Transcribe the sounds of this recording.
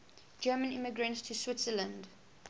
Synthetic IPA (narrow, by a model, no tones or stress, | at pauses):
d͡ʒɜːmə̃nɪ̰mɪɡɹə̃ntstʰuswɪtsələ̃nd